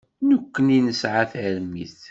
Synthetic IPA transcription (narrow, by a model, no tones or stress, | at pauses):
nukːəninəsʕaθəɾmiθ